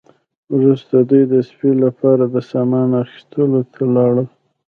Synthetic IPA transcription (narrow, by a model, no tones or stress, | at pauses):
wɾust̪ad̪ujd̪əspilapɑɾad̪əsɑmɑnaxi̥st̪əlot̪ʰalɑɽəl